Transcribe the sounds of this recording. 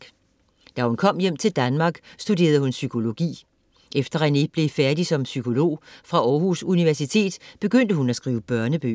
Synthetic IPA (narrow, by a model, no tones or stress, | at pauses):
ɡ̥ | d̥æhunkʰɒ̽m̰jem̰t͡sʰe̝ld̥ænmɑ̈ːɡ̥sd̥ud̥e̝̰ːɐðˠhunsykʰo̝lo̝ɡ̥ḭː | ʔefd̥ɐæne̝ɡ̥̚b̥le̝fæɐd̥isɒ̽msykʰo̝lo̝̰ːfʁɑ̈ɒːhusuniʋæɐsit͡sʰe̝̰ːd̥b̥e̝ɡ̥øn̰d̥əhunæsɡ̥ʁiːʊəb̥ɶɐnəb̥ø̰